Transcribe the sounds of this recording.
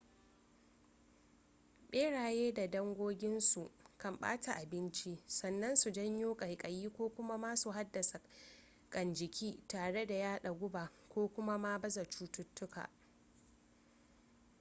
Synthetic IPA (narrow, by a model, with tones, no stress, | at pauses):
ɓeː˦ɽaː˨jeː˦da˨dɐ˦ŋɡʷoː˦ɡʲɪ˦nsu˨ʔkɐ˨mɓa̰ː˦ta˨ʔa˨bɪ˦nt͡ʃi˦sɐ˨nːɐ˦nsu˨d͡ʒɐ˦ɲjoː˦kʼɐ˨jkʼɐ˨jiː˦kʷoː˦kʷʊ˦ma˦maː˦su˨ɦa˦dːɐ˨sa˨ | kʼɐ˨nd͡ʒɪ˨kʲʰiː˦taː˨ɽe˦da˨jaː˦ɗa˨ɡʷʊ˦baː˨kʷoː˦kʷʊ˦ma˦maː˦bɐ˦zɐ˨t͡ʃuː˦tʊ˦tːʊ˦ka̰˨ʔ